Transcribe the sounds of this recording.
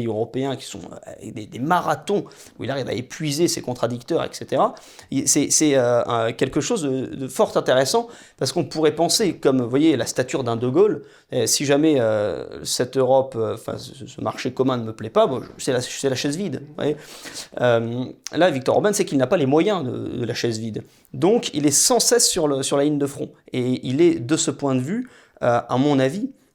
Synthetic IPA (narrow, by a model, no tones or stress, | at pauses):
øʁɔpeɛ̃kʲi̥sɔ̰̃ø̰a̰vɛ̰kd̪ed̪emaʁat̪ɔ̃ | uilaʁiva̰epɥizesekɔ̃t̪χad̪ik̚t̪œʁɛ̰kset̪eʁa | isɛsɛøəkʲɛlkəʃozd̪əd̪əfɔʁt̪ɛ̃t̪eʁɛsɑ̃ | paʁsə̥kɔ̃puʁɛpɑ̃sekɔmvwajelast̪at̪yʁd̪ɛ̃d̪əɡol | siʒamɛøsɛt̪øʁɔpøɑ̃fɛ̰̃səəsəmaʁʃekɔmɛ̃nəməplɛpabɔ̃sɛlasɛlaʃɛzvid̪vwa̰jeømlavik̚t̪ɔ̰ʁo̰bɛnsɛkilnapalemwajɛ̃d̪ə̰d̪əlaʃɛzvid̪ | d̪ɔ̃kḭlɛsɑ̃sɛsːyʁləsyʁlalind̪əfχɔ̰̃eilɛd̪əsəpwɛ̃d̪əvy | øamɔ̃navi